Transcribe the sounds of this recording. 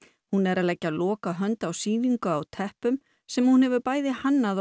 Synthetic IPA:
hunɛɾalɛcːalɔːkaɦœnt̪awsiːviŋkʏawt̪ʰɛhpʏm | sɛmhunhɛvʏpaːjðɪhanːað

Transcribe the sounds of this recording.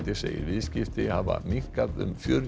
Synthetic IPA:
t̪ɪseːjɪɾvɪðscɪft̪ɪhava̰miŋ̥kaðʏ̰mfjœɾ

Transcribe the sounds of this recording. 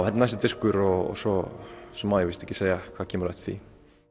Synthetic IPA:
ɛt̪anajsɪt̪ɪskʏɾɔɔ̰sɔsɔmaðjavɪst̪ɛhcːɪ̥seːjakʰvaðcʰɛːmɾðɛht̪θḭ

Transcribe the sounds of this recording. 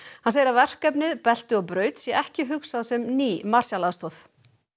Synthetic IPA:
hanseːjɪɾavɛr̥kɛpnɪðpɛl̥t̪ʏɔɣpɾœːɥt̪sjɛʔɛhcɪɦʏksaðsɛmniːmar̥sjalaðst̪ɔθ

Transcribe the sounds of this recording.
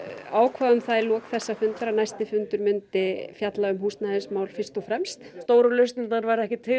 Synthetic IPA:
aːwkʰvaːðʏmθaðɪlɔːkθɛsːafʏnt̪ɾanajst̪ɪfʏnt̪ʏɾmʏnt̪ɪfjat̪laʏmɦuːst̪naðɪnsmaːwlfɪrst̪ɔfɾɛmst̪st̪oːwɾʏlʏst̪nɪt̪naɾvaɾɛhcɪt̪ʰɪ

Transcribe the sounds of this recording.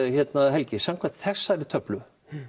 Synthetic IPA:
çɛt̪nahɛlcɪsamkʰvḁt̪θɛsːaɛɾɪt̪ʰœplʏ

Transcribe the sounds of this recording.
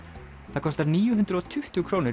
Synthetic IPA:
θaðkʰɔst̪aɾniːjʏɦʏnt̪ɾɔt̪ʰʏht̪ʏkʰɾoːwnɪ

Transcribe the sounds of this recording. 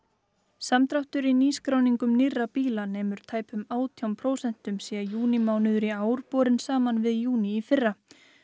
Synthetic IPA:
samt̪ɾawht̪ʏɾiniːskɾaːwniŋkʏmnɪrːapiːlanɛːmʏɾ̥t̪ʰaːjpʏmaːwt̪ʰjawmpʰɾoːwsɛn̥t̪ʏmsiːɣajuːnimaːwnʏðʏɾiaːwɾpɔːɾɪnsaːmanvɪðjuːniːfɪrːa

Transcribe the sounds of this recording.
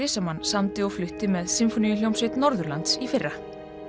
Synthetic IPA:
ɪːsamanːsamt̪ɪɔɣflʏht̪ɪmɛðsɪmfɔnijʏljowmsvɪt̪nɔɾðʏɾlant̪sifɪrːa

